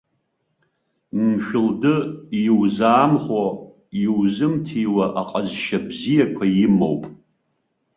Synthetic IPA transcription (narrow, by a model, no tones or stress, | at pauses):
mʃᶣʊldɨjiwzaːmχʷo | iwzɨmtʰijwaʔaqʼazʃabzijakʷʰajɪmo̰wpʼ